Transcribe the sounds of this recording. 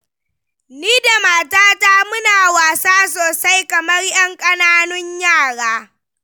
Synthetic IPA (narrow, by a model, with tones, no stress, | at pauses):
niː˦da˨maː˨taː˦taː˦mʊ˦naː˨waː˨saː˦s̬oː˨sa˦jkɐ˨mɐ˦rʔɐ˦ŋkʼɐ˦naː˦nʊ˦ɲjaː˦˨ɽaː˦